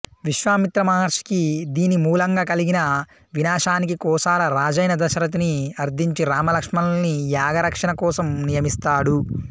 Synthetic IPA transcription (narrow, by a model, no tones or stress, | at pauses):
ʋiʃʋaːmit̪ɾɐmɐɦɐɾʃi̥kid̪iːnimuːlɐŋɡaːkɐliɡinɐ | ʋinaːʂaːnikikɔːsaːlɐɾaːd͡ʒɐjnɐd̪ɐʃɐɾɐt̪̬uniɐɾd̪iɲt͡ʃiɾaːmɐlɐkʂmɐlnijaːɡɐɾɐkʂɐnɐkɔːsɐmnijɐmist̪aːɽu